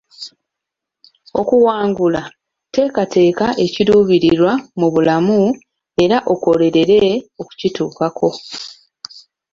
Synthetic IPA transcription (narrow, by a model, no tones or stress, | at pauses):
o̞kuwaːŋɡula | te̞ːkate̞ːkaʔe̞ciɾuːβiɾiɾwamuβulamu | e̞ɾaʔo̞ko̞le̞ɾe̞ɾe̞o̞ku̥cituːkakʰo̞